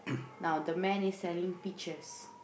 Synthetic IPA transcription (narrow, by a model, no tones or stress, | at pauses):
nawdəmɛ̃nisːɛlĩŋpit͡ʃəs